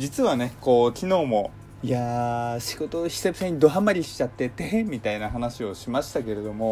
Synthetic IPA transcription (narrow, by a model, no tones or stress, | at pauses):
d͡ʑit͡sɨβane̞ko̞ːkʲino̞ːmo̞ | ijaɕiɡo̞t̪oçi̥sebɯ̥saɲ̟id̪o̞ɦamaɾʲiɕi̥t͡ɕat̪ːe̞t̪e̞ɦẽmmʲːit̪ainaɦanaɕio̞ɕimaɕi̥t̪ake̞ɾe̞d̪o̞mo̞